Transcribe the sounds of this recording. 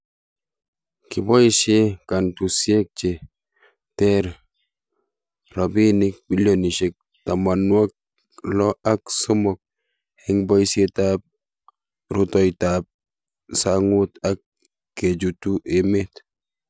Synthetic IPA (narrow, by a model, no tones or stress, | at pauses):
kibɔiʃekantusjek̚t͡ʃe | tɛɾ | rɔbinɪk̚biljoniʃek̚ | tamanwak̚ | lɔaksʊmʊk̚ | hɛŋbɔjsjetap̚ | ɾutɔjtap̚ | saŋʊtakː | ed͡ʒutuʔemet